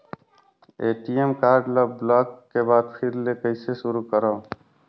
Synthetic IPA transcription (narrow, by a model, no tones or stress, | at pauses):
eːʈiemkaːɾɖləblaːkːebaːd̪pʰiɾlekəɪsesʊɾukəɾɔː